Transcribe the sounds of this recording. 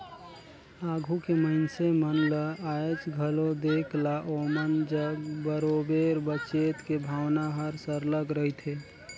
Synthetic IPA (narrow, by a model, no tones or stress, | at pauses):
aɡʱukeməɪnsemənləat͡ʃɡʱəlod̪ekʰlaʔomənd͡ʒəɡbəɾobeɾbət͡ʃet̪kebʱawnaɦəɾsəɾləɡɾəɦit̪ʰe